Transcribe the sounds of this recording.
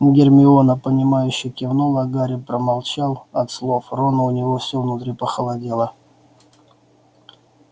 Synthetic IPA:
ɡʲɪrmʲɪonəpənʲɪmajʉɕːɪjkʲɪvnolˠɐɡaɾʲɪpɾəmalˠt͡ɕalˠɐt̪slˠo̞fronəʊnʲɪvo̞fsʲovnʊt̪ɾʲipəxəlˠadʲelˠə

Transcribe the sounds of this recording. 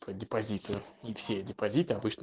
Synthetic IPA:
pədʲɪpɐzʲit̪ɨʊifsʲedʲɪpɐzʲit̪ɨɐbɨt͡ɕnə

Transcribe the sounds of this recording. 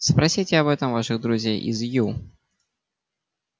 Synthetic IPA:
spɾɐsʲitʲɪɐbɛt̪əmvaʂɨɣd̪ɾʊzʲejʔɪ̰zju

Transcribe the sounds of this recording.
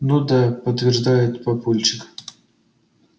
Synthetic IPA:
nud̪apət̪vʲɪrʐd̪ajɪt̪pɐpulʲt͡ɕɪk

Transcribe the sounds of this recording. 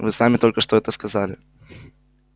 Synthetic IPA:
vɨsamʲɪt̪o̞lʲkəʂt̪oɛt̪əskɐzalʲɪ

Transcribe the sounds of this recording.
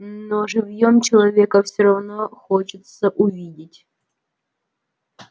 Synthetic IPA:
noʐɨvjomt͡ɕɪlˠɐvʲekəfsʲoɾɐvnoxot͡ɕɪt̪səʔʊvʲidʲɪtʲ

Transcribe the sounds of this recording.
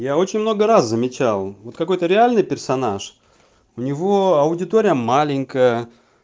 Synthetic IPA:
jao̞t͡ɕɪnʲmnoɡəɾaszəmʲɪt͡ɕalˠvo̞t̪kɐko̞jt̪əɾʲɪalʲnɨjpʲɪrsɐnaʂ | ʊnʲɪvo̞ɐʊdʲɪt̪oɾʲɪjəmalʲɪnʲkəjə

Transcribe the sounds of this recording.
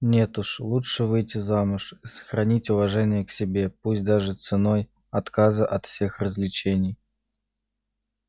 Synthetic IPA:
nʲe̞t̪uʂlˠuʂɨvɨjtʲɪzamʊʂisə̥xɾɐnʲitʲʊvɐʐɛnʲɪjəksʲɪbʲe̞pusʲt̚ʲd̪aʐɨt̪sɨnoj | ɐt̪kazəʔɐt̪fsʲe̞xrəzʲlʲɪt͡ɕenʲɪj

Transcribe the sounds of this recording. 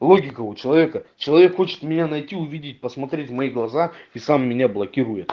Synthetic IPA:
lˠoɡʲɪkəʊt͡ɕɪlˠɐvʲe̞kət͡ɕɪlˠɐvʲe̞kxot͡ɕɪ̥t̪mʲɪnʲanɐjtʲiʊvʲidʲɪt̚ʲpəsmɐt̪ɾʲetʲvmɐiɡlˠɐzaisamːʲɪnʲablˠɐkʲiɾujɪt̪

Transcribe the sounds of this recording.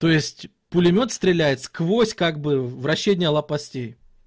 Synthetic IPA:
t̪o̞jɪsʲtʲ | pʊlʲɪmʲo̞t̪st̪ɾʲɪlʲæjɪt̪skvo̞sʲkaɡ̚bɨvɾɐɕːenʲɪjəlˠɐpɐsʲtʲej

